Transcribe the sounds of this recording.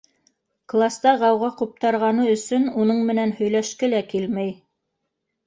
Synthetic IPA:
klˠast̪ɑʁɑwʁɑqup̚t̪ɑɾʁɑnɤɵ̆sɵnunɤɴmɘ̆nænhɵ̆jlæʃkɘlækilmæj

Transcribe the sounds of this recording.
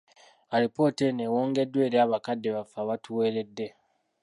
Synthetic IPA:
aɾipo̞ːtene̞woːŋɡe̞dːwe̞ːɾjaːβakadːe̞βafaβatuwe̞ːɾe̞dːe̞

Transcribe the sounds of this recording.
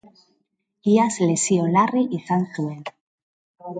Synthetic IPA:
iaslesiolariʔiθanθuen

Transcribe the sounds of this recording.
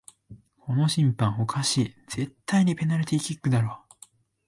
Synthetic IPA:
kʰo̞no̞ɕĩmpãŋ̃o̞kʰaɕid͡z̥e̞t̪ʰːaiɲ̟ipe̞naɾɯt̪ʲeikʲikːɯ̟d̪aɾo̞ː

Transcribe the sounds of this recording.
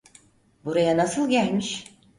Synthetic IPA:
buɾajanasɯlˠɟælʲmiʃ

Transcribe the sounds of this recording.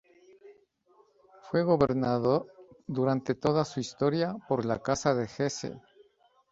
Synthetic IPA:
fwe̞ɣo̞βe̞ɾnaðo̞ɾd̪uɾant̪e̞t̪o̞ðasuist̪o̞ɾjapo̞ɾla̰kasaðe̞xe̞sḛ

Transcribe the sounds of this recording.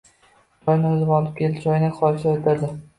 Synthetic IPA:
d͡ʒɒjnɪʊzɪbɒlɪp̚kʲʰe̞lɪpd͡ʒɒjɪnɪχɒjsaot̪ʰad̪ɪ

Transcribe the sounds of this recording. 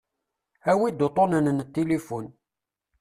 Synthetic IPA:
æwid̪ot̪ˤonənnt̪ːelifun

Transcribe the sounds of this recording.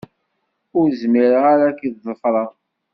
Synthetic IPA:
ʊɾzmiɾəʁaɾakiððˤəfɾˤɑ

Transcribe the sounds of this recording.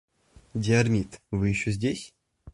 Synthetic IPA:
dʲɪɐrmʲit̪vɨjɪɕːozʲdʲesʲ

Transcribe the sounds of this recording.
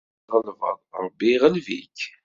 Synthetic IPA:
ʁəlvə̰ˤbiʁəlvik

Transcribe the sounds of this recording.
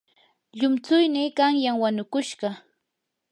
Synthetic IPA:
ʎʊmt͡sʊjnɪkaŋjaŋwanʊkʊʃɢɑ

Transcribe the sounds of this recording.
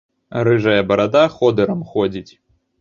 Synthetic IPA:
ɾɨʐɐjɐbɐɾad̪axɔd̪ɛɾɐmxɔd͡zʲit͡sʲ

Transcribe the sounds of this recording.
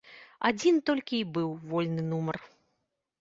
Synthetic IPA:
ad͡zʲint̪ɔlʲkʲiːbɨwvɔlʲnɨnumɐr

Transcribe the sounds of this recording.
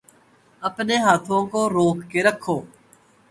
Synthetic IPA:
əpneːɦaːt̪ʰõːkoːɾoːkːeːɾəkʰːoː

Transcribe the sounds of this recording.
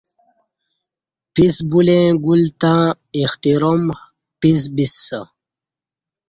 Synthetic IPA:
pisbulẽɡult̪ã | ixt̪iɾom | pis̬bisːa

